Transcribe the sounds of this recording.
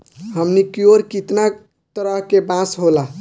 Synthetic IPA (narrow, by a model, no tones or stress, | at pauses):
ɦəmnikioɾkit̪na | t̪əɾəɦkebãsɦola